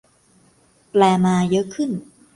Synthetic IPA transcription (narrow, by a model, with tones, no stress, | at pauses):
plɛː˧maː˧jɤ˦˥ʔkʰɯ˥˩n